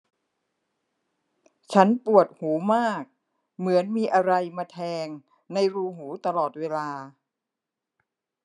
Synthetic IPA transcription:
t͡ɕʰa˦˥npu˨˩ət̪̚huː˩˦maː˥˩k̚ | mɯ˩˦ənmiː˧ʔa˧ɾa˧jmaː˧t̪ʰɛː˧ŋ | na˧jɾuː˧ɦuː˩˦t̪a˧lɔː˨˩t̪̚weː˧laː˧

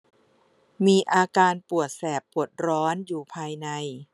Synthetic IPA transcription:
miː˧ʔaː˧kaː˧npu˨˩ət̪̚sɛː˨˩pːu˨˩ət̪̚ɾɔː˦˥njuː˨˩pʰaː˧jna˧j

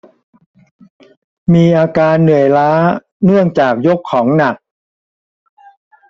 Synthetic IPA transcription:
miː˧ʔaː˧kaː˧nːɯ˨˩əjlaː˦˥ | nɯ˥˩əŋt͡ɕaː˨˩k̚jo˦˥kʰːɔː˩˦ŋna˨˩k̚

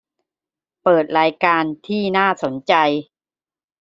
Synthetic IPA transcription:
pɤː˨˩t̪̚ɾaː˧jkaː˧nt̪ʰiː˥˩naː˥˩so˩˦nt͡ɕa˧j

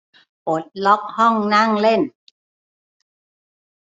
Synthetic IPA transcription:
ʔo˨˦t̪̚lɔ˦˥k̚hɔ˥˩ŋna˥˨ŋle˥˩n

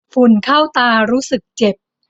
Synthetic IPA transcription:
fu˨˩nkʰa˥˩wt̪aː˧ɾuː˦˥sɯ˨˩k̚t͡ɕe˨˩p̚

